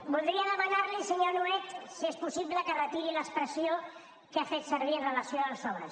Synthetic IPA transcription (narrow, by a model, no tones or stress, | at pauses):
bulˠd̪ɾiəðəmənaɾlisəɲonuɛt̪siespusiβləkərət̪iɾiləspɾəsio | kafet̪səɾβ̞iərələsioəlˠzɔβəs